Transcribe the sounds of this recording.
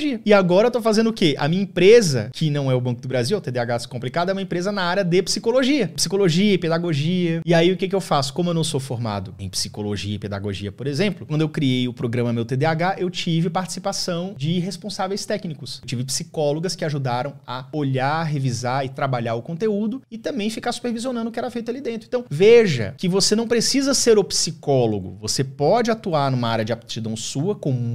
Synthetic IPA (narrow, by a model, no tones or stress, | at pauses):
ʒiɐɪaɡɔɾɐewt̪ofazẽnd̪ʊkeʔɐ̰mĩɲɐĩpɾezɐkʰɪnɐ̃w̃ɛʊbɐ̃kʊd̪ʊbɾaziwɛwt̪ed̪eaɡasɪ̥kõplikad̪ʊɐɛũmɐẽpɾezɐnaaɾɐd̪epsikoloʒiɐpi̥sikoloʒiɐẽped̪aɡoʒiɐɪaiʊkek̬ɪewfasʊ̥kõmʊewnɐ̃w̃sofoɾma̰d̪ʊḛ̃j̃psi̥koloʒiɐiped̪a̰ɡoʒḭɐpoɾezẽmplʊkwɐ̃d̪ʊewkɾiejʊpɾoɡɾɐ̃mɐmewt̪ed̪eaɡaʔewt͡ʃivɪpaɾt͡ʃi̥sipasɐ̃w̃d͡ʒɪɦespõsavejst̪ɛknikʊsewt͡ʃivɪpsikɔloɡɐskɪaʒud̪aɾɐ̃w̃ɐoʎaɦevizaɪt̪ɾabaʎaʊkõnt̪eud̪ʊɪt̪ɐ̃mbẽj̃fikaɾsu̥peɾviziõnɐ̃nd̪ʊkɪɛɾɐfejt̪ʊalid̪ẽt̪ɾʊẽt̪ɐ̃w̃veʒɐ̰kɪvosenɐ̃w̃pɾesizɐseɾopsikɔloɡʊ̰vosepɔd͡ʒɪat̪uaɾnũmɐaɾʲjɐd͡ʒɪapt͡ʃid̪ɐ̃w̃suɐkõm